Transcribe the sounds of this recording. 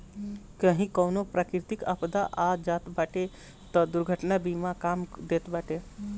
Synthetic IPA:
kəɦĩkɔwnopɾaːkɾt̪ikɐpd̪aʔad͡ʒat̪baʈe | t̪ɔd̪ʊɾɡʱəʈnabimãkaːmd̪eːt̪baʈe

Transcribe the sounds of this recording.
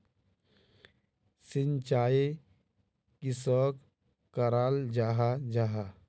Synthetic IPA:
sint͡ʃaːe | kisɔk | kəɾaːld͡ʒaɦad͡ʒaɦa

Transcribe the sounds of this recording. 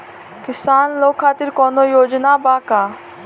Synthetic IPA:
kɪsaːnloːkʰːaːt̪ɪɾkoːnoːjoːd͡ʒnaːbaːkaː

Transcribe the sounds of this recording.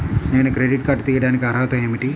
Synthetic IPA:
neːnukɾeɖiʈ̚kaːɾʈt̪iːjɐɽaːnikiaːɾaːʋt̪ɐɦeːmiʈi

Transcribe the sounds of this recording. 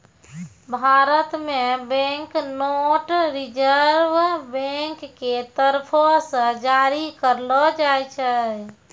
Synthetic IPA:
bʱaɾət̪mebẽŋknoʈɾid͡ʒəɾʋbɛ̃ŋkːet̪əɾpʰɔsə̃d͡ʒaɾikəɾlɔd͡ʒajt͡ʃʰɛ

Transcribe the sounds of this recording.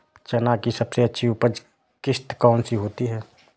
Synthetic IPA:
t͡ʃɐnaːkisɐbseɐtːʃʰiupəd͡ʒ | kɪst̪kɔːnsiɦoːt̪iɦɛː

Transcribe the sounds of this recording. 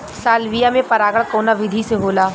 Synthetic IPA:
saːlʋijamẽpɐɾaːɡəɭkoːnaʋɪd̪ʱiseɦoːlaː

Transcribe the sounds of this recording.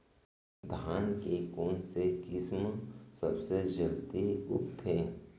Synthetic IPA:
d̪ʱaːnkekoːnsekɪsmsəbsed͡ʒəlt̪iʊ̰kt̪ʰeː

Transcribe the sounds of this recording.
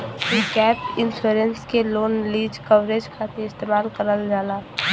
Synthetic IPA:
piːkɛːpɪnsuːɾenskeloːnliːd͡ʒkəʋɾeːd͡ʒkʰaːt̪eɪst̪eːmaːlkəɾəld͡ʒaːlaː

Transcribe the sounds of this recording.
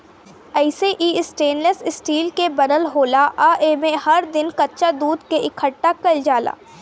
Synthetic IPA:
ɛɪseʔiːɪsʈeːnlesɪsʈiːlkebɐnəlɦoːlaʔaːʔeːmẽhɐɾd̪ɪnkɐtːʃad̪uːd̪keʔɪkʰəʈːakɐld͡ʒaːla̰ː

